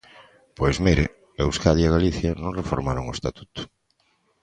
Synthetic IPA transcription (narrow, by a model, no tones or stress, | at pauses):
pojzmiɾɪ̰ | ewskaðiaɣaliθjɐnõŋrefoɾmaɾoŋʊest̪at̪u̥t̪ʊ̥